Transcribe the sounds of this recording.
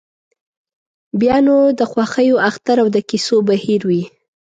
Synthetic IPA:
bjɑnod̪əxwɑxəjoaxt̪aɾawd̪əkisobahiɾwi

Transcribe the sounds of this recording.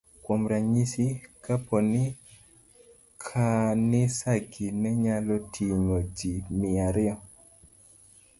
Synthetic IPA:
kwomɾaɲisikapɔnɪ | kʰanɪsaɡinɛɲalɔtʰiŋod͡ʒimɪaɾɪɔ

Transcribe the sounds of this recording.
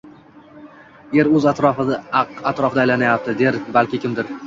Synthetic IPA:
e̞ɾɵzat̪ɾɒfɪd̪aqat̪ɾɒfɪd̪ajlanajap̚t̪ʰɪd̪e̞ɾbalkʲɪkʲʰɪmd̪ɪɾ

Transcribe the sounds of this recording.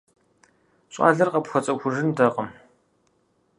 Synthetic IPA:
ɕʼa̰ːɮɐrqɐpxʷɔt͡sʼɐxʷʊʐɨndɐqʼɐm

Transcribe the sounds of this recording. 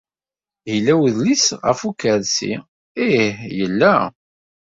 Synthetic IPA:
hilːæwðlisʁə̰fukːəlsḭ | ihjəlːæ

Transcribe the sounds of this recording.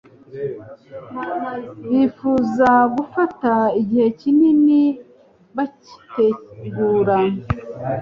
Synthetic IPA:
βifuːzaɡufataiɟihe̞cinini | βaci̥te̞ɡuːɾa

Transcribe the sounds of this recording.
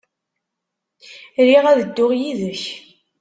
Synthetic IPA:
ɾiʁæðəd̪ːʊʁjiðəç

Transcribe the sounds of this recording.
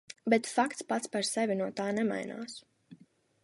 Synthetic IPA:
bɛt̪fakt̪spat̪spaɾsɛvʲinuɔt̪aːnɛma̰jna̰ːs

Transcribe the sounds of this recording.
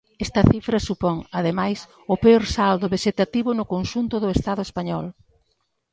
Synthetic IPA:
ɛst̪ɐθifɾɐsupɔŋaðemajs | ʊpeoɾsald̪ʊβeʃet̪at̪iβʊnʊkonʃunt̪ʊðʊest̪aðʊespaɲɔl

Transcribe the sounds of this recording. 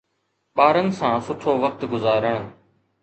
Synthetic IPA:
ɓaːɾənɪ̆sãːsʊʈʰoːʋək̚t̪ɡʊzaːɾəɽ̃

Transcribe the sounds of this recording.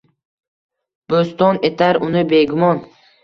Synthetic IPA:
b̥ost̪ɒne̞t̪ʰaɾʊnɪbe̞ɡʊmɒn

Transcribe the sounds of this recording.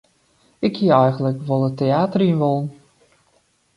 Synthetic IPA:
ɪkhiəɛjɣənləkʋɔlˠəteaːtəriənʋɔlˠn

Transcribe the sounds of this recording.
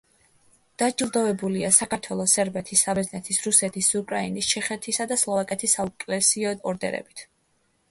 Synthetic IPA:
d̪̥ad͡ʒilˠd̪ɔvɛbuliasakʰaɾt̪ʰwɛlˠɔsɛɾbɛt̪ʰisːabɛznɛt̪ʰisɾusɛt̪ʰisukʼɾainist͡ʃʰɛχɛt̪ʰisad̪aslˠɔvakʼɛt̪ʰisaukʼlɛsiɔɔɾd̪ɛ̰ɾɛ̰bit̪ʰ

